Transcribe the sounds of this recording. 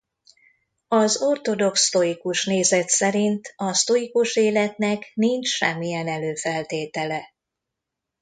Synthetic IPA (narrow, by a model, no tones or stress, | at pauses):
ɒzo̞rt̪o̞d̪o̞kst̪o̞ikuʃneːzɛt̪sɛɾint̪ɒst̪o̞ikuʃeːlɛt̪nɛknint͡ʃʃɛ̰mːijɛnɛløːfɛlt̪eːt̪ɛlɛ